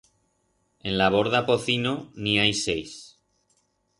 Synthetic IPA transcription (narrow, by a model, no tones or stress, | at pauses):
e̞nlaβ̞o̞ɾðapo̞θinoniajse̞js